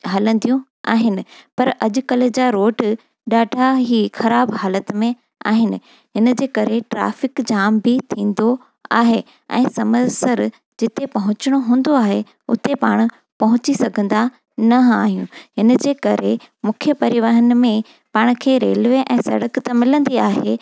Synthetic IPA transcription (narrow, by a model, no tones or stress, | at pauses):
ɦɐlə̃nd̪ijũ | a̰ːɦɪnɪ̆pɐɾɐʄʊ̆kɐl̆d͡ʑaːɾoːʈ | ɗaːɖʱaɦixɐɾaːbɦaːlət̪mẽ | a̰ːɦɪnɪ̆ | ɦɪnə̆d͡ʑeːkɐɾeʈɾa̰ːfɪkd͡ʑaːmbɪt̪ʰĩːn̆d̪o | a̰ːɦe | ɛ̰̃ːsɐməsəɾ | d͡ʑɪt̪epɐɦʊ̃t͡ɕɪɽ̃oɦũːn̆d̪oaːɦe | ʊt̪epaːɽ̃ʊ̆ | pɐɦʊt͡ɕisɐɡʱə̃nd̪a | nɐɦaːɦijũɦɪn̆d͡ʑeːkɐɾe | mʊkʰjəpɐɾɪʋəɦənɪ̆mẽ | paːɽ̃̆kʰeːɾeːlʋeʔɛ̃ːsɐ̰ɽəkt̪ɐmɪlə̃nd̪iaːɦeː